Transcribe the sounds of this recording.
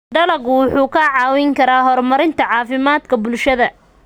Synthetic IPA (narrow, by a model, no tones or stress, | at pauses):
ɖɐlɐɣʊwʊħuːkʰɐʕɑːwɪŋkʰɐɾaːɦɔrmɐɾɪnt̪ʰɐʕɑːfɪmaːd̪kʰɐbʊlʃɐðɐ